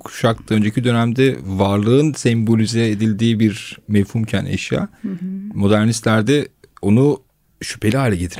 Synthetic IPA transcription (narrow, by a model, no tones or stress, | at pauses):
kʰu̥ʃak̚t̪ʰaø̞nd͡ʒe̞cʰid̪ø̞næmd̪ɛvaɾlˠɯɯnsɛmbo̞lʲyzɛed̪ilʲd̪iːbiɾmevhumcʰænḛʃja̰ːmo̞d̪æɾnist̪lʲæɾd̪ɛo̞nu | ʃy̥pʰe̞lʲiɦaːlʲɛɟet̪ʰiɾ